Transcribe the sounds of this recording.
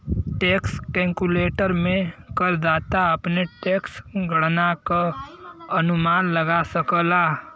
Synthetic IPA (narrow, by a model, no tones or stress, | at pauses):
ʈeːkskɛ̃ːŋkuleːʈəɾmẽkəɾd͡ʒaːt̪aəpneʈeːksɡəɽnaka | ɐnʊmaːnləɡasəkəlaː